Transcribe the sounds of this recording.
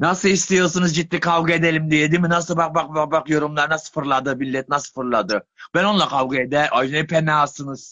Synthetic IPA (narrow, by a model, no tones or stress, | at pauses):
nasɯlˠist̪ʰijo̞ɾsunuzd͡ʒit̪ːʲikʰavɡɯe̞d̪elʲimd̪ijed̪iminasɯlˠbaq̚baq̚baq̚baqjo̞ɾumlˠaɾɯnasɯ̥fɯɾlˠad̪ɯbilʲːɛt̪̚nasɯ̥fɯɾlˠad̪ɯb̥æno̞nlˠakʰavɡɯed̪ɛɾʔajnɛpʰenɛasɯnɯz̥